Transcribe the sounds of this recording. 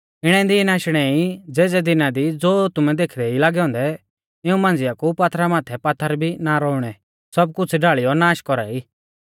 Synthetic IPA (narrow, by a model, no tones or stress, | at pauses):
ɪɽ̃ɛ̃d̪inaːʃɽ̃ɛid͡zeːd͡zɛd̪ɪnad̪id͡zoːt̪ʊmɛd̪eːkʰd̪ɛilaːɡɛɦɔ̃ːnd̪ɛ | ɪũmãːnd͡zɪjakupat̪ʰɾamaːt̪ʰɛpat̪ʰːəɾbʱinaɾɔːʊɽ̃ɛ | sɐb̚kʊt͡sʰɖaːɭɪjɔnaːʃkɔɾa̰iː